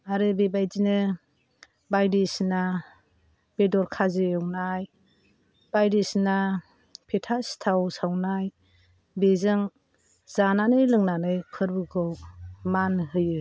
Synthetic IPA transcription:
aɾɯbebajdinɯ | bajdisna | b̥edɔɾkʰazɯɔwnaj | b̥ajdisna | pʰetʰastʰawsawnaj | bezɯŋ | zananɯjlɯŋnanɯjpʰɯɾbɯɡʰɯwmanɦɯjɯ

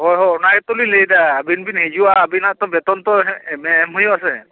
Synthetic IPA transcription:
hɔjɦɔɔnaɛt̪ɔlilejdaːbinbinhezuwaːbinat̪ɔbɛt̪ɔnt̪ɔmɛːmɦojuasɛ

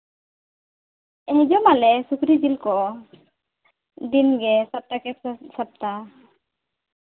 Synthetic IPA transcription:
ɛd͡ʒɔmalɛsukɾid͡ʒilkɔ | d̪inɡɛsap̚t̪akɛsap̚t̪a

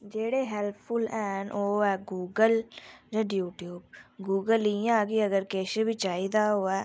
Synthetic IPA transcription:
d͡ʒeːɽeɦɛlpʰfʊlɛ̃ːnʔoːɛːɡuːɡəld͡ʒãɖjuːʈjuːbɡuːɡəlijãkiɐɡəɾkeːʃebʱit͡ʃaːid̪aɦoːɛː

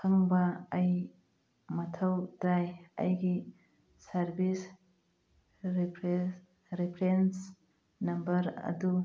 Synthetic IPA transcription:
kʰɐŋbɐːj | mɐtʰɐwdɾajɐ̰jɡi | sɐɾbis | pʰ | ɾipʰɾens | nɐmbɐɾɐ̰du

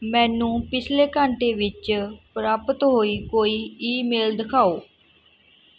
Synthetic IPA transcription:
mɛ̃ːnũːpɪsʰleːkəɳʈeːʋɪt͡ʃpɾaːpət̪ɦoːiːkoːiːiːmeːld̪əkʰaːoː

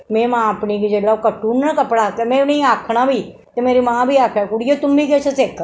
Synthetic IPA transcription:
mẽːmãːəpnikid͡ʒeːlaokəʈːuːnːkəpɽaːt̪emɛ̃ʊneiaːkʰɽ̃aːbʱiː | t̪emeːɾimãːbʱiːaːkʰɛːkʊɽijot̪ʊmbʱiːkɛːt͡ʃeseːkː

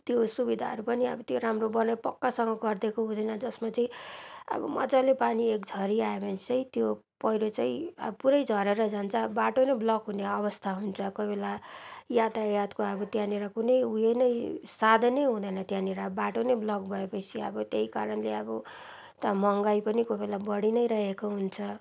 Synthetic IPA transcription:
t̪josubid̪ʱaɦʌɾupʌniʌ̰bʌt̪joɾamrobʌnʌpʌkːasʌŋɡʌɡʌrd̪ekoɦũd̪ʌjnʌd͡zʌsmat͡sʌĩʌ̰bʌ̰mʌ̰d͡zalepaniekd͡zʱʌɾiaebʌnt͡sʌĩt̪jo | pʌjɾot͡saĩʌ̰bʌpuɾʌjd͡zʱʌɾeɾʌd͡zant͡sʰʌbaʈonʌblʌkɦuneʌβʌst̪ʰaɦunt͡sʰʌkʌibelajad̪ajat̪koʌbʌt̪jãneɾakunʌjujenʌjsad̪ʱnʌjɦũd̪ʌjnʌt̪jãneɾabaʈonejblʌkbʱʌepʌt͡sʰiʌ̰bʌt̪eɦikaɾʌnleʌbʌ | t̪amʌŋɡajpʌnikobelabʌɽinʌjɾʌɦekoɦunt͡sʰʌ

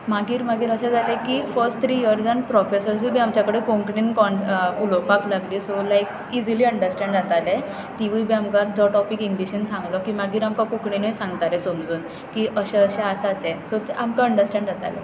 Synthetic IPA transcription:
maɡiːɾmaɡiːɾəɕad͡zalẽkifəɾsʈt̪ʰɾijəɾsanpɾɔfesəɾsubʱiamt͡ɕjakəɽekõŋkɳinkɔnulɔpaklaɡliːsolajk | id͡ziliːəɳɖəɾsʈɛ̃ɳɖd͡zat̪ale | t̪iʋijbʱiamkad͡zɔʈɔpikiŋɡɖiɕənsãŋɡlɔkimaɡiːɾamkakũkɳinəjsãŋɡt̪alɛsəmd͡zuːn | kiʔəɕeəɕeasat̪esot̪ʔamkaəɳɖəɾsʈɛ̃ɳɖd͡zat̪a̰lḛ

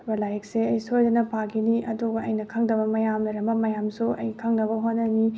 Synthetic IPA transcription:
bɐlajk̚seɐjsojdɐnɐpʰaɡiniʔɐduɡɐʔɐjnɐkʰɐŋdɐbɐmɐjamlɐɾɐmbɐmɐjamsuʔɐ̰jkʰɐŋnɐβɐɦotnːɐni

